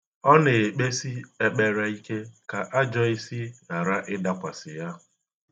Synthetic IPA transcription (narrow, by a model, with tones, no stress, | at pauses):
ɔ˦ne˨e˨k͡pe˦si˦e˦k͡pe˨ɾa˨i˦ke˦ka˨ʔa˦d͡ʒɔ˦i˦si˦na˨ɾa˦ʔɪ˦da˨kʷa˨sɪ˨ja˦